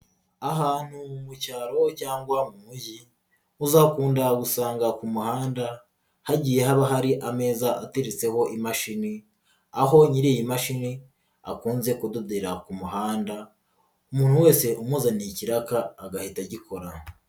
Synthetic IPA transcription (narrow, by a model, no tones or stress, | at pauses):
aɦaːn̥humucaːɾo̞caːŋɡwamumuji | uzakuːndaɡusaːŋɡakumuhaːnda | haɟiːje̞ɦaβaɦaɾiʔame̞ːzaʔateɾit͡se̞ho̞ʔimaʃini | aɦo̞ɲiɾijimaʃini | a̰kuːnze̞kududeɾakumuɦaːnda | umuːn̥huwe̞ːse̞ʔumuzaniciɾakaːɡahitaɟikʰo̞ɾa